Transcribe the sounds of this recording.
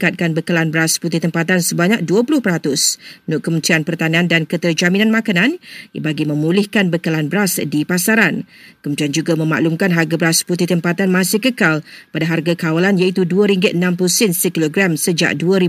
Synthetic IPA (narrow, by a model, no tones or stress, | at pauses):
kat̪̚kanbəkəlanbəɾasput̪ɪht̪əmpat̪ansəbaɲak̚duəpulʊhpəɾat̪ʊsnʊʔkəmənt̪ɾianpərt̪aniandankət̪ərd͡ʒamĩnanmãkanãnbaɡimə̃mulɪhkanbəkəlanbəɾasdipasaɾankəmunt̪iand͡ʒuɡamə̃ma̰ʔlumkanɦarɡabəɾasput̪ɪt̪əmpat̪anmãsɪhkəkalpadaɦarɡakawalanjait̪uduaɾiŋɡəənãmpusɪnsəkiloɡɾamsəd͡ʒa̰ʔ̚duəɾi